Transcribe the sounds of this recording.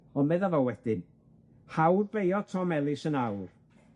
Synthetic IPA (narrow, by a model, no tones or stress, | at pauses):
ɔnmɛðavɔwɛd̥ɨn | hawrbejɔtʰɔmɛlˠɪsənawr